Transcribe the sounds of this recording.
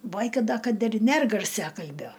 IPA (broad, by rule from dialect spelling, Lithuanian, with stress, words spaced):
ˈbɐɪkɐ ˈdɐ kɐt ɪr ˈnʲɛr ɡɐrʲˈsʲæːkɐlʲbʲoː